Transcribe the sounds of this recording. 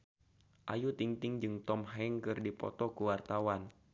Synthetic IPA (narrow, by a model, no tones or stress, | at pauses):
ʔajut̪iŋt̪ɪŋd͡ʒɨŋt̪ɔmɦɛŋkɨrdipɔ̰t̪ɔkuwart̪awan